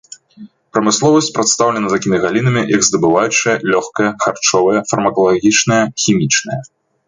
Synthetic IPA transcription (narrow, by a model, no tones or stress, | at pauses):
pɾɐmɨslˠɔvɐsʲt͡sʲpɾɐt̪st̪awlʲɛnɐt̪akʲimʲiɣalʲinɐmʲijʔɐɡzd̪ɐbɨvajut͡ʂɐjɐlʲɔxkɐjɐxart͡ʂɔvɐjɐfɐrmɐkɐlˠaɣʲit͡ʂnɐjɐxʲimʲit͡ʂnɐjɐ